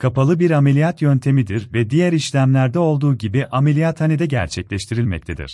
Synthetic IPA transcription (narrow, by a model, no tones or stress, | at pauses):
kʰapalˠɯbiɾamelʲijat̪jønt̪ʰe̞mid̪iɾvɛd̪ijæɾiʃlʲæmlʲæɾd̪ɛo̞lˠd̪uːɟibiʔamelʲijat̪hanid̪ɛɟæ̰ɾt͡ʃʰɛclʲɛʃt̪ʰiɾilʲmɛ̰ct̪ʰed̪ḭɾ̥